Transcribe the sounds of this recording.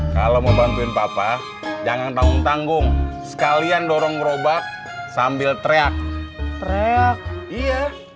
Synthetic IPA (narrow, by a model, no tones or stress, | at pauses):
ka̰loməmbant̪uɪnpapa | d͡ʒaŋant̪aŋʊŋt̪aŋɡʊŋsə̥kaliandɔɾɔŋɾobak̚ | sambɪlt̪ɾeak̚t̪ɾeak̚ija